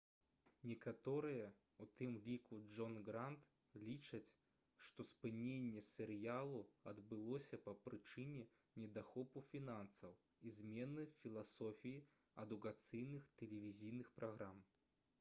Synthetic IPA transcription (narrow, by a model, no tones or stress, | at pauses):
nʲɛkat̪ɔɾɨjɛ | ut̪ɨmlʲikud͡ʐɔnɡɾant̪ | lʲit͡ʂɐt͡sʲ | ʂt̪ɔspɨnʲenʲːɛsʲɛɾɨjalˠuɐd̪bɨlˠɔsʲɐpɐpɾɨt͡ʂɨnʲɛ | nʲɛd̪axɔpufʲinansɐw | izʲmʲɛnɨfʲilˠasɔfʲiji | ɐd̪ukat̪sɨjnɨxt̪ɛlʲɛvʲizʲijnɨxpɾaɣɾam